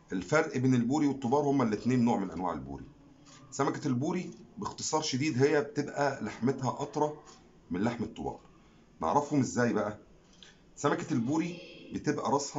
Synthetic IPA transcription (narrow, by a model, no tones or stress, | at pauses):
ʔelfæɾʔbeːnelbuːɾiwet̪ˤːobɑːɾˤhomːælːet̪neːnːoːʕmenlʔæ̰nwa̰ʕelbṵːɾḭ | sæmækælbuːɾibext̪ɨsˤɑːɾˤʃed̪iːd̪ɦejːæbet̪ebʔælaħmet̪hæʔɑt̪ɾˤɑ | menlaħmet̪ˤːobɑ̰ːɾˤ | nḛʕɾˤɑfhomʔezːæːjbæʔæ | sæmækælbuːɾibet̪ebʔæ̰ɾˤɑsˤhɑ